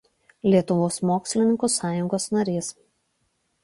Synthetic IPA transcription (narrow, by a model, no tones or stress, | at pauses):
lʲiɛt̪ʊʋoːsmoːksʲlʲɪnʲɪŋkusɑːjʊŋɡoːsnɐɾʲeːs